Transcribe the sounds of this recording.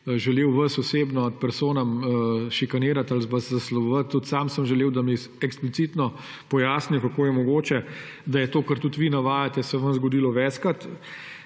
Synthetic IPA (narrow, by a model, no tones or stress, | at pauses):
ʒɛleːwʋəsɔseːbnɔɐt̪̚pɛɾsoːnamʃikaneːɾat̪alzbɐszaslɔbʋət̪ːut̪saːmsəmʒɛleːwd̪ami | ɛksplit̪siːt̪nɔ | pɔjaːsniwkakoːjɛmɔɡoːt͡ʃɛ | d̪ajɛt̪oːkəɾt̪ut̪ʋiːnaʋaːjat̪ɛsɛʋənzɡɔd̪iːlɔʋɛːt͡ʃkat̪